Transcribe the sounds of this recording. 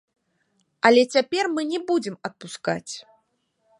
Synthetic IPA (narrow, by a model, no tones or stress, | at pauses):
ɐlʲɛt͡sʲapʲɛrmɨnʲɛbud͡zʲɛmɐt̪̚puska̰t͡sʲ